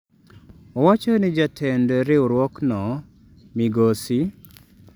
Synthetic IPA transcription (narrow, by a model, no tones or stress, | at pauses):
ɔwat͡ʃɔnɪd͡ʒatʰɛndoɾɪoɾwɔknɔ | miɡosi